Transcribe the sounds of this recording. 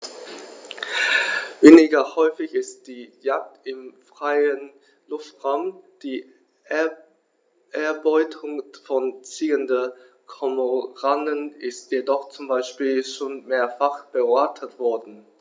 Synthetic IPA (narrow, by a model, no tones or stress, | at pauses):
veːnɪɡɐhɔʏfɪçɪst̚d̥iːjak̚tɪmfʁ̥aɪən | lʊftʁaʊmd̥iː | ɛ | ɛɐbɔʏtʰʊŋfɔnt͡siːəndə | kʰɔmoʁanənɪstjedɔχt͡sʊmbaɪʃpiːlʃoːnmeːɐfaχb̥əaːtʰətv̥ɔɐdn̩